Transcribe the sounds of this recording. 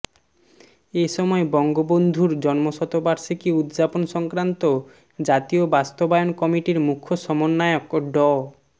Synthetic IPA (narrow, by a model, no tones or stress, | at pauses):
eʃɔmɔebɔŋɡobond̪ʱuɾd͡ʑɔnmoʃɔt̪obaɾʃikiud̪d͡ʑaponʃɔŋkɾant̪o | d͡ʑat̪iobast̪obajonkɔmiʈiɾmukʰːoʃɔmonːaeokɖɔ